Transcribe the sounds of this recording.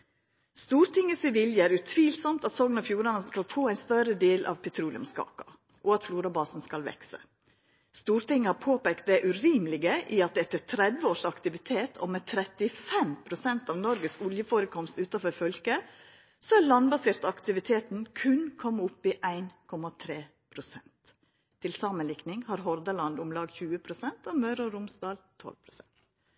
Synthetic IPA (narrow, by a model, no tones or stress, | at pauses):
st̪uːɾt̪ɪŋːəsɪʋɪljəæːɾʉt̪ʰʋiːlsɔmt̪ɑt̪sɔŋnɑfjuːɾɑnəskɑlfoːæɪnst̪œɾəd̪eːlʔɑ̰ʋpʰɛt̪ʰɾuːlɪ̰ʊ̰mskɑ̰ːkɑ̰ | ʔɔɑt̪fluːɾɑbɑːsn̩skɑlʋɛ̰ksə̰ | st̪uːɾt̪ɪŋːəhɑɾpʰoːpeːkt̪̚d̪ɛʔʉɾiːməlɪɡəʔiɑt̪̚d̪ɛɛt̪ːət̪ʰɾɛd̪ʋəoːʂɑkt̪ɪʋɪt̪ʰeːt̪ʰo̰mɛt̪ʰɾɛt̪ɪfɛmpʰɾʊsɛnt̪ɑːʋnɔɾɡəskʊljəfoːɾəkʰɔmst̪ʉːt̪ɑfɔɾfœlkə | sɔæɾɭɑnbɑseːɾt̪ɑkt̪ɪʋɪt̪ʰeːt̪n̩kʰʉnkʰɔmːʊpːiʔæɪnkʰɔmɑt̪ʰɾeː | pʰɾʊsɛnt̪ʰː | ɪlsɑːmənlɪknɪŋhɑːɾɦɔɾd̪əlɑnd̪ʊmlɑːɡçʉːəpʰɾʊsɛnt̪omœɾɔɾʊmsd̪ɑːlt̪ʰɔ̰lpʰɾʊsɛnt̪